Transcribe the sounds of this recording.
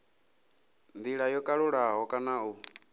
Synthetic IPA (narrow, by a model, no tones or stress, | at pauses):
nd̪iɺajɔkʼaɺuɺaɦɔkʼanau